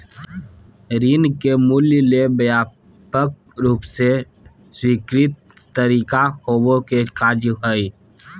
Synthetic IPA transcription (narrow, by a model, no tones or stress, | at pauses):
ɾiːnkemuljlebjaː | pək̚ɾuːpse | swikɾɪt̪̚ː | əɾiːkahobokekaːd͡ʒɦəi